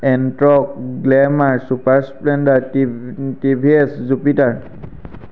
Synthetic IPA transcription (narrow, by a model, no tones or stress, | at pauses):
ɛntɹɔk̚ɡlɛmaɹsupaɹsplɛndaɹ | tibʱiɛszupitaɹ